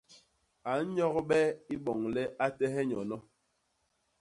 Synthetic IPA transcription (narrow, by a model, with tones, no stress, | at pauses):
a˨n̩˦ɲɔ˦ɣɓɛ˦i˦ɓɔ˨ŋlɛ˦ʔa˦tɛ˦ɦɛ˦ɲɔ˨nɔ˦